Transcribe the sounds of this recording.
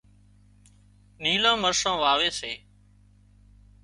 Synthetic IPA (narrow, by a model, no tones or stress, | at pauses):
niːlãːməɾsãːʋaːʋeːseː